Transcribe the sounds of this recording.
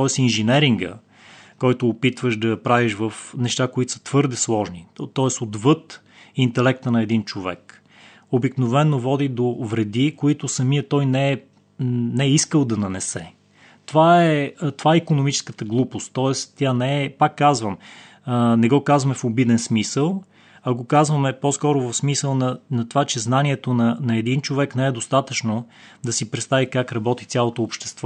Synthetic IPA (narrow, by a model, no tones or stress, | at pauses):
t̪ɔɛsinʒɛnɛɾiŋɡə̰ | kɔjt̪ʊːpit̪vəʃd̪ɐpɾaviʃvəfnɛʃt̪akoit̪o̥sə̥t̪v̥ɤɾd̪ɛslˠɔʒnit̪ɔɛsod̪vɤt̪ | int̪ɛlɛk̚t̪ənɐɛd̪int͡ʃovɛ̰k | obiknovɛnːovɔd̪id̪ovɾɛd̪ikoit̪ʊsɐmiət̪ɔjnɛɛ | nɛiskəlˠd̪ɐnɐnɛsɛ | t̪ovaɛt̪ovaɛikonomit͡ʃɛ̥skət̪əɡlˠupost̪ːɔɛst̪ʲjanɛɛpakːazvəm | nɛɡɔkazvɐmɛfobid̪ɛnsmisəlˠ | ɐɡokazvəmɛpɔskɔɾʊvɐfsmisəlˠnɐnɐt̪ovat͡ʃɛznaniɛt̪onɐnɐɛd̪int͡ʃovɛknɛɛd̪ost̪at̪ət͡ʃno | d̪ɐsipɾɛt̪st̪avikakɾɐbɔt̪it̪sʲalˠot̪oːpʃt̪ɛ̥st̪vɔ